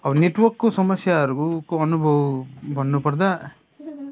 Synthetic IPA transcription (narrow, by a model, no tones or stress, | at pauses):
ɐʋneʈʋɐɾkːusɐmɐsjaɾɡukuɐnubʱɐʋubɐnːupɐɽd̪a